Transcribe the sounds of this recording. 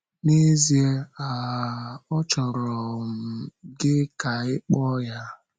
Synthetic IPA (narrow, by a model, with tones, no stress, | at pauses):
ne˦zi˦e˦a˨ | ɔ˦t͡ʃɔ˨ɾɔ˨m̩˨ɡɪ˦ka˨ɪ˦k͡pɔ˦ja˦